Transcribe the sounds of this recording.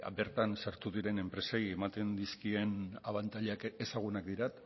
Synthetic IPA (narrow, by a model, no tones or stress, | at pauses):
be̞ɾt̪ansaɾt̪uðiɾe̞ne̞mpɾe̞sejemat̪e̞nd̪iskie̞naβant̪aʎeakesaɣ̞unak̚d̪iɾat̪